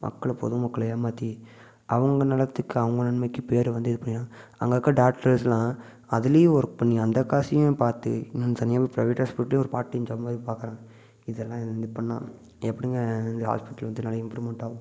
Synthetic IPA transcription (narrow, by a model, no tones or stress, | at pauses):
mɐ̰kːɐɭpɔ̰ðɯmɐkːɐɭɐjaːmaːt̪ːi | ʔɐʋɐŋɡɐnɐlɐt̪ːɯkːɯɐʋɐŋɡɐnɐɳmɐkːɯpeːɾʋɐnd̪ɯɪðɯpɐɳːɪnãːɐ̰ŋɡɐːkːɐɖaːʈɐlslãː | ɐðɪlejʊ̃ɔɾɯkːɯpɐɳːiɐnd̪ɐkːaːsijʊ̃paːɾt̪ːɯ̰nt̪ɐnɪjaːbɐpɾɐɪʋeːʈɦaːspɪʈːɐl̃ːɔɾɯpaːɾʈːɐj̃ɲd͡ʒɐbʋaːðpaːɾkɾãːɐ | ɪðɛlːãːnd̪ɯpɐɳːã̰ː | ɛpːɐɽɪŋɡɐnd̪ɐɦa̰ːspɪʈːɐlʋɐnd̪ɯnaːlɐɪmpɾumɛɳʈaːɣʊ̃